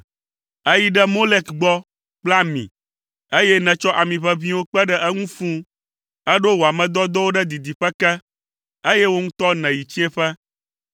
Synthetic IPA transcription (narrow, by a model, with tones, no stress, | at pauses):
e˦ji˦ɖɛ˦mo˦le˦kɡ͡bɔ˦ | k͡pla˦mḭ̃˨ | e˦jɛ˦nɛ̃˨t͡ʃɔ˦ʔa˨mĩ˨ɸɛ˦vĩ˦wo˦k͡pɛ˦ɖɛ˦ʔɛ˦ŋũ˦fũ˦ | ɛ˦ɖo˦wo˨a˨mɛ̃˨d̪ɔ˦d̪ɔ˦wo˦ɖɛ˦d̪i˨d̪i˨ɸɛ˦kɛ˦ | e˦jɛ˦wo˦ŋũ˦t̪ɔ˦nɛ̃˨ji˨t͡ɕi˦ɛ̃˦ɸɛ˦